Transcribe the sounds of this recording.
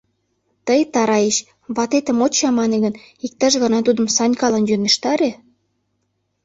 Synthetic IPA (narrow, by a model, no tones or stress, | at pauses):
t̪əjt̪ɑɾɑjeɕ | βɑt̪et̪ə̆mot͡ɕɑmɑneɣə̆n | ik̚t̪ɑʃɣɑnɑt̪ud̪ə̆msɑnʲkɑlɑnjøneʃt̪ɑɾe